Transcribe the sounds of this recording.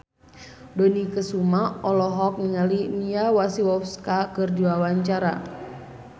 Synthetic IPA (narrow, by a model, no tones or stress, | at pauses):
dɔnikəsumaɔlɔɦɔk̚niŋaliniawasiwɔfskakɨrdiwawaɲt͡ʃaɾa̰